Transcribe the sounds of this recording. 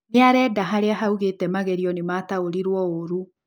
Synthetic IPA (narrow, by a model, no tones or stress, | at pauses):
neaɾɛdaɦaɾeaɦauɣetɛmaɣɛɾiɔnemaːtaoɾiɾwɔoɾu